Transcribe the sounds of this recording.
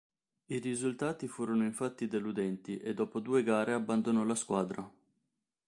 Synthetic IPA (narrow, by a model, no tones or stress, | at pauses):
irizult̪aːt̪ifuːɾonoiɱfat̪ːid̪elud̪ɛnt̪iʔed̪ːɔːpod̪uːeɡaːɾeabːand̪onɔlaskwaːd̪ɾa